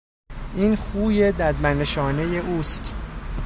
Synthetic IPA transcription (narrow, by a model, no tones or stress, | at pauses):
ʔiːnxuːjed̪æd̪mæneʃɒːneje̞ʔuːst̪